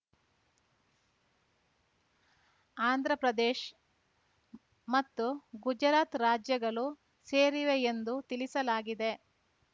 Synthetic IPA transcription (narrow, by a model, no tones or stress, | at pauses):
aːnd̪ʱɾɐpɾɐd̪eːʃ | mɐt̪ːuɡud͡ʒɾaːt̪ɾaːd͡ʒjɐɡɐɭu | seːɾiʋeːnd̪ut̪ilisɐlaːɡid̪e̞